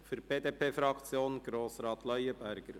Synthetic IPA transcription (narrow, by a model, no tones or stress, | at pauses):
fyɾb̥eːd̪eːpʰeːfɾɑkt͡sjoːnɡ̥ɾoːsɾɑːt̪lœʏəbæɾɡ̥əɾ